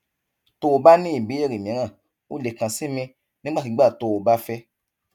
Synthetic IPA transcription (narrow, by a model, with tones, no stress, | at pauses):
to˧˦˧ba˦nĩ˦i˦˨bi˨˦e˦˨ɾi˨mĩ˨˦ã˦˨ | o˦le˨kã˨si˦mĩ˧ | nĩ˦ɡ͡ba˦ti˨˧˦ɡ͡ba˦˨to˧o˨ba˦fɛ˦